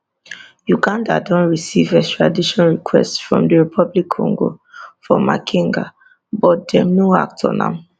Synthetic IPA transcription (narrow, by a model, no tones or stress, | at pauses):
juɡãnda̰dɔ̃ntɹisivɛkstɹ̥adiʃɔ̃nɹikʰwɛ̰stsfɹɔ̰̃mdəɹipʰɔblikʰːɔ̰̃ŋɡo̰fɔmakʰĩŋɡa̰ | bɔt̚dɛnoa̰k̚tʰɔ̰nã̰